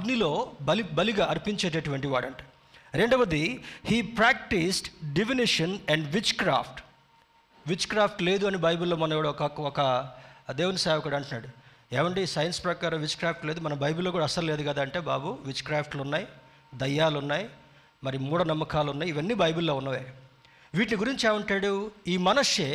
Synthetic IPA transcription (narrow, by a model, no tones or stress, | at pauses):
ɐɡnilo̞ːbɐlibɐliɡaːɐɾipiɲt͡ʃeːʈ̬eʈuʋɐɳʈiʋaːɽɐɳʈeː | ɾe̞ɳɖɐʋɐd̪ihiːpɾaːk̚ʈisʈɖifiniʂɐnɛɳɖʋit͡ʃkɾa̰ːpʰʈ | ʋit͡ʃkɾaːpʰʈle̞ːd̪uɐnebɐjbulːo̞ːmɐnɐmʋuɽɐkɐɔkɐd̪eːʋunɐsaːʋɐkuɽɐɳʈunːaːɽu | eːʋɐɳɖisɐjɐnspɾɐkaːɾɐ̃mʋit͡ʃkɾaːpʰʈleːd̪umɐnɐbʱɐjbulːoɡuːɽaɐːɐsɐɾle̞ːd̪uɡɐd̪aːɐɳʈe̞ːba̰ːbuʋit͡ʃkɾaːpʰʈlounːaːji | d̪ɐjːaːlunːaːji | mɐɾimuːɽɐnɐmːɐkaːluunːaːjiiʋɐnːibɐjbulːo̞ːunːɐːʋe | ʋiːʈ̬niɡuɾiɲt͡ʃieːʋɐɳʈaːɽuiːmɐnɐʂe